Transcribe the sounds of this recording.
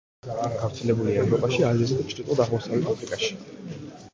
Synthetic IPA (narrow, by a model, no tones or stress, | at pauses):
ɡ̥avɾt̪sʰɛlɛbuliaɛvɾɔpʼaʃiaziskit͡ʃʰɾit̪ʼɔd̪aʁmɔsavlɛt̪ʰapʰɾikʼaʃi̥